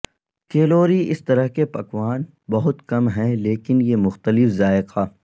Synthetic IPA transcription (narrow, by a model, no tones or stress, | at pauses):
keːloːɾiɪst̪ɐɾəɦkepɐkʋaːn | bɐɦʊt̪kɐmɦɛ̃leːkɪnjemʊxt̪əlɪfzaːɪqʰaː